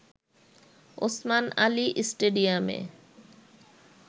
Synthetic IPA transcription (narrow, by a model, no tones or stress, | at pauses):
o̰smana̰liʔsʈeɖiamḛ